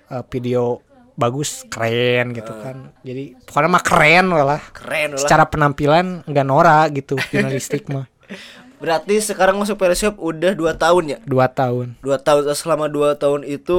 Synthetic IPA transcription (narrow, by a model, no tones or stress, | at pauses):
əfideo | baɡʊskərɛnɡit̪ukand͡ʒadikonamakəɾɛnwalahkəɾɛət͡ʃaɾapənampilanɡanoɾaɡit̪ud͡ʒunalist̪ɪk̚mah | bəɾart̪isəkaɾaŋmas̬ʊk̚pedasap̚udahduat̪aʊnɲaduat̪aʊnduat̪aʊnsəlamaduat̪aʊnit̪u